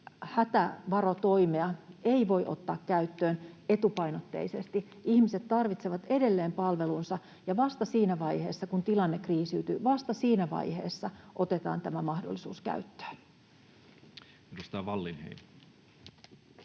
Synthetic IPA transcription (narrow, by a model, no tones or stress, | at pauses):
hæt̪æʋɑɾo̞t̪o̞jmeɑeiʋo̞jʔo̞̰t̪ːɑːkkæyt̪ːøːne̞t̪upɑjnot̪ːe̞̰isest̪i | ʔiçmise̞t̪tːɑrʋit̪seʋɑt̪e̞de̞lːeːmpɑlʋe̞lunsɑ | jɑʋɑst̪ɑsiːnæʋɑjhe̞ːsːɑkunt̪ilɑnːekriːsyːt̪yʋɑst̪ɑsiːnæʋɑ̰jhe̞̰ːsːɑʔo̞t̪e̞t̪ɑ̰ːnt̪æmæmɑhdo̰lːisuːskæ̰yt̪ːø̥ːn | mikust̪æʋɑlːinhḛin